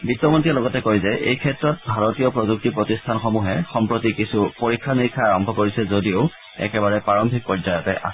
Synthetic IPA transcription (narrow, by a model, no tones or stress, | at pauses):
bitːɔmontialɔɡɔtɛkojzɛʔḛjkʰɛtɹɔt̚bʱaɹotijɔpɹozuk̚tipɹotistʰanxɔmuɦɛxɔmpɹotikisupoɹikʰːaniikʰːaaɹɔmbʱɔkoɹisɛzodiʊ | ɛ̰kɛbaɹɛpɹaɹɔmbʱik̚pɔzajɔtɛʔa̰